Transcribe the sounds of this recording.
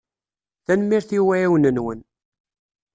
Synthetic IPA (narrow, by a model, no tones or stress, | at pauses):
θænmːiɾθiwæjiwnənwən